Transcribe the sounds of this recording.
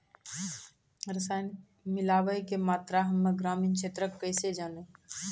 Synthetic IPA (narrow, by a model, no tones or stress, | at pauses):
ɾəsajn | milaːʋəjkemaːt̪ɾaɦəmːeɡɾaːmiːnkʃʰet̪ɾəkːəjsed͡ʒanə